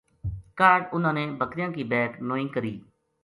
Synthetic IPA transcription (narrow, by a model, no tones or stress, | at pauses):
kaːɖʊnãːneːbʱəkɾɪjãːkiːbɛːknoːɪ̃ːkəɾiː